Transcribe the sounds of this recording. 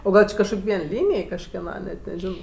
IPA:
oː ˈɡɐlˠ t͡ʃʲɪ kɐʃˈkoːkʲ ˈʋʲiɛn ˈlʲiːnʲeːj kɐʃʲkʲɛˈnɐ nʲɛt nʲɛˈʒʲɪnoː

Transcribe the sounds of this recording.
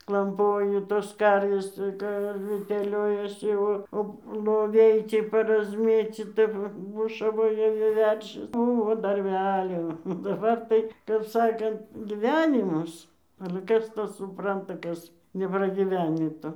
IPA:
klˠɐmˈpoːjʊ toːs ˈkɐrʲʋʲeːs ˈkɐ ɐr tʲɛˈlʲoːjɛsʲɪ ˈoː oː lˠoːˈʋʲɛɪ ˈt͡sʲiɛ pɐrɐzʲˈmʲeːt͡sʲiːtɐ ˈʋɐ ˈbʊʃɐʋoːjɛ ʋʲɪ ˈʋʲɛrʲʃʲɪs ˈbʊʋoː dɐrʲˈbʲæːlʲoː oː dɐˈbɐr tɐɪ kɐp ˈsɑːkɐnt ɡʲɪˈʋʲæːnʲɪmɐs ɐlʲɛ ˈkɐs ˈtɑː sʊˈprɐntɐ ˈkɐs nʲɛprɐɡʲiːˈʋʲæːnʲiː ˈtoː

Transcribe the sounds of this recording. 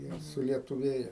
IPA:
ˈjiɛ sʊlʲiɛtʊˈʋʲeːjɛ

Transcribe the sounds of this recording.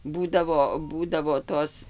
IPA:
ˈbuːdɐʋoː ˈbuːdɐʋoː ˈtoːs

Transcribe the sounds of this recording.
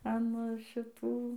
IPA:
ɐn ʃʲɪˈtuː

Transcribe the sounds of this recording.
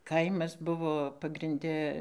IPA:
ˈkɐɪmɐs ˈbʊʋoː pɐɡrʲɪnʲˈdʲɛ

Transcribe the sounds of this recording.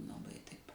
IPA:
lˠɐˈbɐɪ tɐɪp

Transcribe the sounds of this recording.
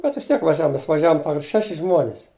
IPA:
bʲɛt ʋʲɪs ˈtʲiɛk ʋɐˈʒʲæːʋoːm ˈmʲɛs ʋɐˈʒʲæːʋoːm ˈtɐʊ ɪr ˈʃʲæːʃʲɪ ˈʒmuɔnʲɪs

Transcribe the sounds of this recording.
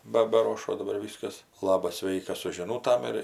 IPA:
ˈbɐ bɐˈroːʃoː dɐˈbɐr ˈʋʲiːskɐs ˈlˠɑːbɐs ˈsʲʋʲɛɪkɐs sʊ ʒʲɪˈnuːtɐm ɪr

